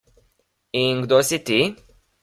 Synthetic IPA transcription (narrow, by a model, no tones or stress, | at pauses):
iŋɡd̪osit̪i